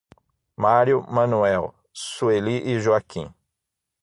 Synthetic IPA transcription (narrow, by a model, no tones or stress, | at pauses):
maɾjʊmɐ̃nuɛw | sueliʔɪʒuakʰḭ̃